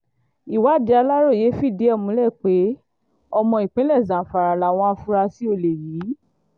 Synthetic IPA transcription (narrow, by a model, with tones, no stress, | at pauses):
i˨wa˨˦˨di˨˧a˧la˦ɾo˦˨je˨˦fi˦˨di˨˦ɛ˦˨mũ˧˦lɛ˦˨k͡pe˨˦ | ɔ˧mɔ̃˧i˨k͡pẽ˨˦lɛ˦˨zã˨fa˨ɾa˨la˨w̃ɔ̃˧a˧fu˦ɾa˧si˦o˧˨le˨jiː˨˦